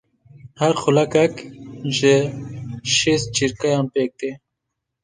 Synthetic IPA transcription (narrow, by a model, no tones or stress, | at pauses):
hɐɾxʊlɐkɐkʑe | ɕis̚t͡ɕiɾkɐjampeːk̚t̪e